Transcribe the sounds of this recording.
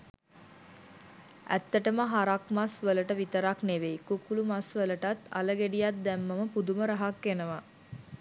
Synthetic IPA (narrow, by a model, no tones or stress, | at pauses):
æ̰t̪ːəʈəməɦaɾakmasʋələʈəʋit̪əɾakneʋejkukulumasʋələʈat̪a̰ləɡeɖijat̪̚d̪æmːəməpud̪uməɾaɦakːenəʋa